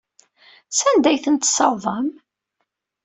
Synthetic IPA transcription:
sænd̪æjθənt̪sɑwðˤɑm

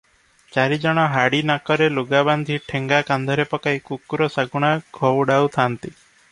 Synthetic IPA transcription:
t͡ʃaɾid͡ʒɔɽ̃ɔɦaɽinakɔɾeloɡaband̪ʱiʈʰeŋɡakand̪ʱɔɾepɔkajkukuɾɔsaɡuɽ̃aɡʱɔwɖawt̪ʰant̪i

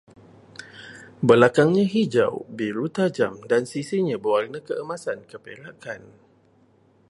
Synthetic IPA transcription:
bəlakaŋɲãɦid͡ʒa̰wbiɾut̪ad͡ʒamdansisiɲãbəwarnəkəəmasankəpelakan

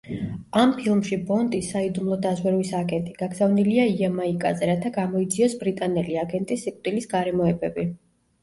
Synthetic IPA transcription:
ampʰilˠmʃibɔnt̪ʼisːaid̪umlˠɔd̪azwɛɾwisaɡɛnt̪ʼiɡ̥aɡzavniliaiamaikʼa̰zɛɾat̪ʰaɡamɔid̪ziɔsbɾit̪ʼanɛliaɡɛnt̪ʼisːikʼt̪ʼilisɡaɾɛmɔɛbɛbi

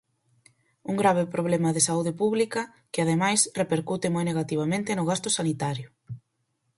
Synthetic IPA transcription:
uŋɡɾaβ̞ɪpɾoβ̞lɛmɐðɪsauðepuβlikɐ | kɪaðemajsrepeɾkut̪ɪmojneɣat̪iβ̞amẽnt̪ɪnʊɣast̪ʊsanit̪aɾjʊ

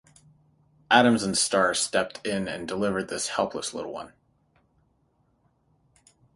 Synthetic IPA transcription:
ʔæɾɨ̃mzə̃n̩stɑɹ̥stɛp̚tʰɪ̃nɨ̰̃ndəlɪvə˞d̪̚ðɪshɛlˠpʰləslɪ̰ɾl̩ˠwʌ̰̃n

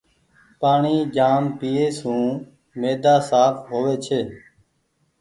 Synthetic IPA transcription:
paːɳiːd͡ʒaːmpiːeːsũː | meːd̪aːsaːfʰɦoːʋeːt͡ʃʰeː

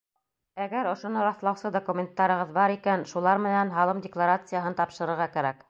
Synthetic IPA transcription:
æɡæɾŏʃŏnɤɾɑθlˠɑwsɤd̪okumʲɪnt̪ːɑɾɤ̆ʁɤðbɑɾikænʃulˠɑɾmɘ̆nænɦɑlˠɤmdʲɪklˠaɾat̪sɨjaɦɤnt̪ɑpʃɤ̆ɾɤ̆ɾʁɑkæɾæk

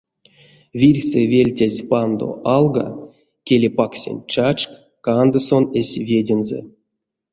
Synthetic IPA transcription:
vʲirʲsʲevʲelʲtʲazʲpand̪o̰ʔɑlˠɡa̰ | kʲelʲepaksʲḛnʲt͡ʃat͡ʃk | kand̪ɨso̞nesʲvʲedʲenzɛ̰

